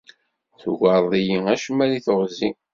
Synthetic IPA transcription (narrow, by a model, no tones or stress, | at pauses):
θʝʷɑɾˤðˤijiæʃmːæliθoʁzi